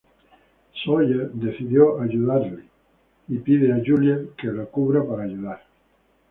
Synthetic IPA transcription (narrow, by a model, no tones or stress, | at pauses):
sojed̪eθiðjoʔaʝuðaɾli | ipiðeaʒuljekelakuβɾapaɾaːʝuðaɾ